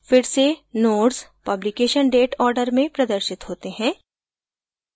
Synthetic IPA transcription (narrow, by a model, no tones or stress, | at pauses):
fɪɾsenoːʈspɐblikeːʃənɖeːʈɔːɾɖəɾmẽpɾɐd̪əɾʃɪt̪ɦoːt̪eɦɛ̃ː